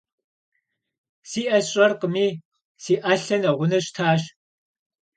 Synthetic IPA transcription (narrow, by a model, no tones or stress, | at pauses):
siːʔɐɕʼɐrqəmiː | siːʔaɬɐnɐʁʷʊnɐɕtʰaːɕ